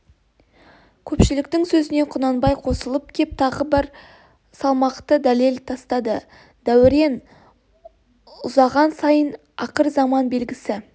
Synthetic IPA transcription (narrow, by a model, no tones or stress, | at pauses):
kʲʰɵpʃɪlɪk̚t̪ɪŋsɵzɪne̞qʰʊnɑnbɑjqʰo̞səlˠəp̚kʲʰep̚t̪ʰɑʁəbɪɾ | sɑlˠmɑqt̪əd̪æle̞lt̪ʰɑst̪ɑd̪ə | d̪̥æwɪɾe̞n | ʊzɑʁɑnsɑjən | ɑqəɾzɑmɑnbe̞lɡʲɪsɪ